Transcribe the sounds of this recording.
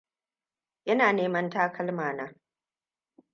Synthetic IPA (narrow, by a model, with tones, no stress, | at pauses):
jʔɐ˦naː˨neː˦mɐ˦ntaː˦kʰɐ˦lmaː˨naː˦